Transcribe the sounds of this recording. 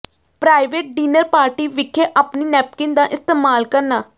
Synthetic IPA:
pɾaːɪʋeːʈ̚ɖiːnəɾpaːɾʈiːʋɪkʰːeːʔaːpniːnɛːp̚kɪnd̪ãːʔɪst̪eːmaːlkəɾnaː

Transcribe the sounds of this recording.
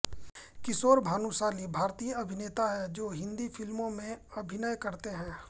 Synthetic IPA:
kɪsoːɾbʱaːnusaːlibʱaːɾt̪ijəɐbʱɪneːt̪aɦɛd͡ʒoːɦɪ̃nd̪ifɪlmõmẽɐbʱɪnəjkɐɾt̪eɦɛ̃ː

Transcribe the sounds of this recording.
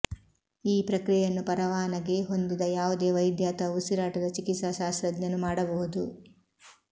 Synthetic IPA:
iːpɾɐkɾijjɐnːupɐɾɐʋaːnɐɡe̞ɦo̞nd̪id̪ɐjaːʋud̪e̞ːʋɐjd̪jaːt̪ɐusiɾaːʈɐd̪ɐt͡ʃikit̪sɐʃaːsɾɐd̪jɐnːumaːɽɐbɐɦud̪u

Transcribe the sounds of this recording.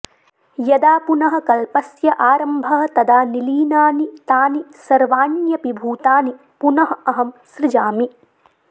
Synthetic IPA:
jɐd̪aːpunɐɦɐ̆kɐlpɐsjɐʔaːɾɐmbʱɐɦɐ̆t̪ɐd̪aːniliːnaːnit̪aːnisɐɾʋaːnjɐpibʱuːt̪aːni | punɐɦɐ̆ɐɦɐmsɾɪd͡ʒaːmi

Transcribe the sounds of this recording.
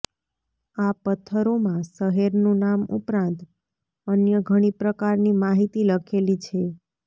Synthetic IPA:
apət̪ʰːəɾomãsəɦeɾnũnamṵpɾãnt̪ | ənjəɡʱəɽ̃ipɾəkaɾnimaɦit̪iləkʰelit͡ʃʰe

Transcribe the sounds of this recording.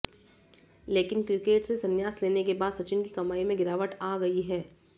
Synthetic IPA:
leːkɪnkɾɪkeːʈsesɐnjaːsleːnekebaːd̪sɐt͡ʃɪnkikɐmaːimẽɡɪɾaːʋəʈaːɡɐiɦɛː

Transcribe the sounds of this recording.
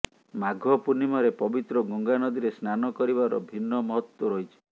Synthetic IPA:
maɡʱɔpunimɔɾepɔbit̪ɾɔɡɔŋɡanɔd̪iɾesnanɔkɔɾibaɾɔ̰bʱinːɔmɔɦɔt̪wɔɾɔjt͡ʃʰi̥

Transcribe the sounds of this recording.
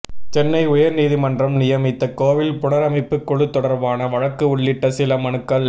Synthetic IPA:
t͡ʃɛnːɐɪʊjɐɾniːðimɐndrɐmnɪjɐmɪt̪ːɐkoːʋɪlpʊɳɐɾɐmɐɪpːɯkːʊɻɯt̪ːɔɽɐɾʋaːnɐʋɐɻɐkːɯʊɭːɪʈːɐsɪlɐmɐnɯkːɐɭ

